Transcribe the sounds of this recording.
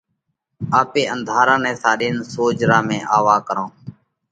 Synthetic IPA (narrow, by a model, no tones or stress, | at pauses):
aːpeːʔənd̪ʱaːɾãːnɛ̃ːsaːɗiːnsoːd͡ʒɾãːmẽːʔaːʋaːkəɾõː